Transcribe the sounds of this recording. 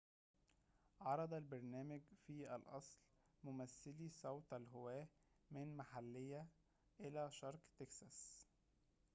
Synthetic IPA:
ʕɑɾˤɑd̪ˤɑlbɑɾˤnæːmæɡfiːʔælʔɑ̰sˤl | mʊmæθːɪlisˤɑwt̪ælɦowæː | mɪnmaħalːejːæ | ʔelæʃɑɾˤqt̪eksɑs

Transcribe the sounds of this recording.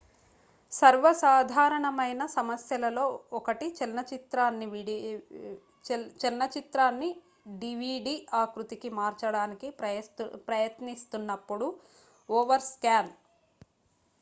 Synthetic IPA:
sɐɾʋɐsaːd̪ʱaːɾɐɳɐmɐjnɐsɐmɐsjɐlɐlo̞ːɔkɐʈit͡ʃinːɐt͡ʃit̪ɾaːnːiʋ | t͡ʃinːɐt͡ʃit̪ɾaːnːi | ɖiʋiːɖiaːkɾut̪ikimaːɾt͡ʃɐɽaːniki | pɾɐjɐt̪nist̪unːɐpːuɽu | ɔːʋɐɾskaːn

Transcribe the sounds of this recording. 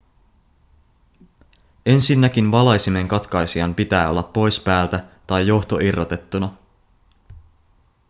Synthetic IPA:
e̞nsinːæk̟inʋɑlɑjsime̞ŋkɑt̪kɑjsiɑmpit̪æːo̞lːɑpːo̞jspæːlt̪æt̪ɑjːo̞xt̪o̞ʔirːot̪e̞t̪ːunɑ

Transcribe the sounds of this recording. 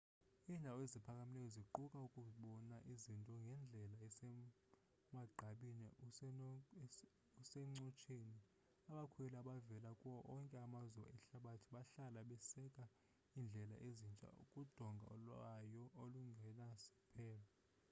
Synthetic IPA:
iːndʱaɔezipʰakʼamilɛjɔziǃukʼaukʼuɓɔnaʔizintʼɔŋɡʱɛnd͡ɮʱɛlaɛɛ | maɡ͡ǀʱaɓinɛ | usɛŋ͡ǀɔt͡ʃʰʼeni | aɓakʰuɛlaɓavɛlakʼuwɔʔɔŋkʼɛamazuwa̰ɛɬaɓatʰiɓaɬalaɓɛsɛkʼa | iːnd͡ɮʱɛla̰ʔezint͡ʃʼa̰ṵkʼud̥ʱɔŋɡʱa̰ɔ̰lwajɔoluŋɡʱɛnasɛ̥pʰɛːlɔ

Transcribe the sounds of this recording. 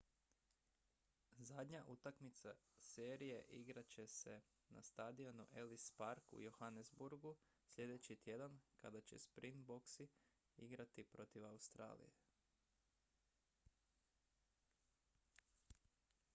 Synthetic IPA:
zad̪ɲaʔut̪akmit̪sase̞ːɾije̞ʔiɡɾat͡ɕe̞se̞ | na̰st̪ad̪io̞nuʔe̞lispaɾkṵjohanezbuɾɡu | sʎe̞d̪e̞t͡ɕit̪je̞d̪ankad̪at͡ɕe̞̰spɾint̪bo̞ksi | iɡɾat̪ipɾo̞t̪iʋaust̪ɾa̰ːlḭje

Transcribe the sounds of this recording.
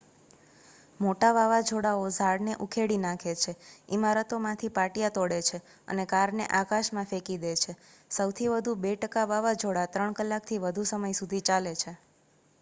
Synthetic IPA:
moʈaʋaʋad͡ʒʱoɽaozʱaɽneʔukʰeɽinãkʰet͡ʃʰeimaɾət̪omãt̪ʰipaʈjat̪ɔɽet͡ʃʰe | ə̰nekaɾneʔakaʃmãfekid̪et͡ʃʰe | səwt̪ʰiʋəd̪ʱubeʈəkaʋaʋad͡ʒʱoɽat̪ɾəɳkəlːak̚t̪ʰiʋəd̪ʱusəməjsud̪ʱit͡ʃalet͡ʃʰe

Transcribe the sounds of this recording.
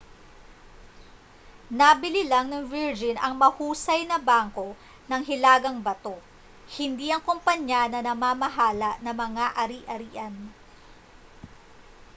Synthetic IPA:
nɐbɪlilaŋnɐŋviɹd͡ʒɪnɐŋmɐhuːsɐjnɐbaːŋko̞ | nɐŋɦɪlaːɡɐŋbɐt̪o̞ | hɪnd̪iʔɐŋkompɐɲanɐnɐmaːmɐɦaːlɐʔnɐmɐŋaʔɐɾiʔɐɾiːʔɐn

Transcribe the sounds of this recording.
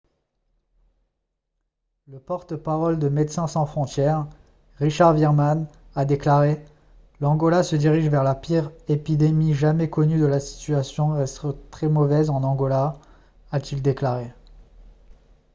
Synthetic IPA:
ləpɔʁt̪əpaʁɔld̪əmɛt̪sɛ̃sɑ̃fχɔ̃t̪jɛʁ | ʁiʃaʁviʁmanad̪eklaʁe | lɑ̃ɡɔlasəd̪iʁiʒvɛʁlapiʁepid̪emiʒamɛkɔnyd̪əlasi̥t̪yasjɔ̃ʁɛst̪t̪χɛmɔvɛzɑ̃nɑ̃ɡɔlaː | t̪ild̪eklaʁe

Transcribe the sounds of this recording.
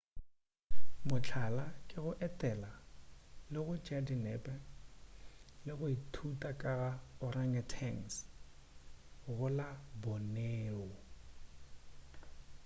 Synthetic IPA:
mʊt͡ɬʰalakʼɪɣʊʔɛtʼɛla | lɪɣʊd͡ʒadinɛpʼɛ | lɪɣʊitʰutʼakʼaɣaʊraŋatʰɛŋs | ɣʊlabɔneːʊ

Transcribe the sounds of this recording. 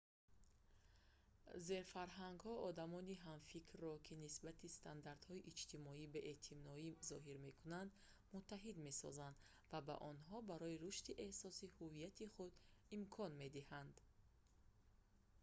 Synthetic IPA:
ze̞ɾfaɾɦaŋɡhɔɔd̪amɔniɦamfikʰrːɔkʰinisbat̪ʰist̪ʰand̪aɾd̪hɔiʔit͡ʃt̪ʰimɔibeʔet̪ʰimnɔizɔɦiɾme̞kʰunand̪ | mut̪ʰːaɦid̪me̞sɔ̰zand̪ | vaba̰ʔɔnɦɔbaɾɔiɾuʃt̪iʔe̞hsɔsihuvijat̪ʰiχud̪imkʰɔnme̞d̪ihand̪

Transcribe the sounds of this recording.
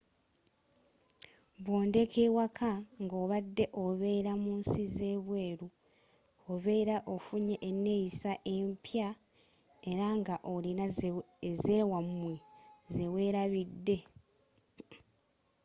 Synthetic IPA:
βwo̞ːnde̞kʰewakʰaŋɡo̞ːβadːe̞ʔoβe̞ːɾamuːnsize̞ːβwe̞ːɾu | oβe̞ːɾaʔofuɲeʔːnːe̞jisaʔe̞mpja | e̞ɾaŋɡaʔolina | ze̞wamwezewe̞ːɾaβidːe̞

